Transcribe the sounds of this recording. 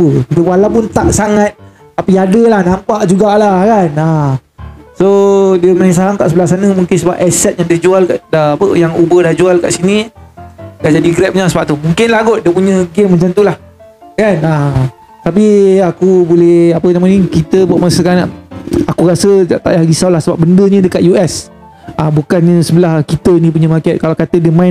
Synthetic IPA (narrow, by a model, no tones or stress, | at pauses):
əkit̪əwalawpʊnt̪aʔsaŋat̪̚ | apiadəlahnãmpaʔd͡ʒuɡaʔlakana | sodiəmaiŋsaɦaŋkaʔsəbəlasanəmũŋkɪnsəba̰p̚ɛsɛt̪̚jaŋdad͡ʒualkaʔdaapəjaŋubədahd͡ʒualka̰ʔsinĩ | dad͡ʒadiɡɾɛp̚ɲasəbap̚t̪umũŋkɪnlaɡʊʔ̪̚diəpuɲə̃ɡemːaɲt͡ʃant̪ulah | kana | t̪ap̬iakubolɛhapənamanĩkit̪əbuaʔmasəkana̰ʔakuɾasəaʔt̪a̰ʔjaɡisawlahsəbap̚bəndəɲə̃dəkaʔ̪juɛs | abukanːə̃səbəlahkit̪ənĩp̬uɲəmakɛt̪̚kalakat̪ədiəmãɪ